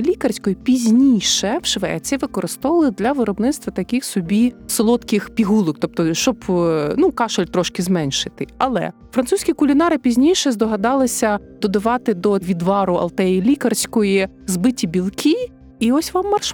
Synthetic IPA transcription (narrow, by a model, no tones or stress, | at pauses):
lʲikɐrsʲkɔjipʲizʲnʲijʃɛwʃʋɛ̰t͡sʲɛʋɪkɔɾɪst̪ɔʋɐlˠɪd̪lʲɐʋɪɾɔbnɪt̪st̪ʋɐt̪ɐkʲɪxsɔbʲisɔlˠɔt̪kɪxpʲiɦulˠɔk̚t̪ɔp̚t̪ɔʃt͡ʃɔbnukɑʃɔlʲt̪ɾɔʃkɪzmɛnʲʃɪ̥t̪ɪɐ̰lˠɛ̰ | fɾɐnt̪susʲkʲikʊlʲinɑɾɪpʲizʲnʲijʃɛzd̪ɔɦɐd̪ɑlˠɪsʲɐd̪̥ɔd̪ɐʋɑt̪ɪd̪ɔʋʲid̪ʋɑɾʊɐ̰lˠt̪ɛjilʲikɐrsʲkɔji | zbɪtʲibʲilˠkʲiː | ɔsʲʋɑmːɐrʃ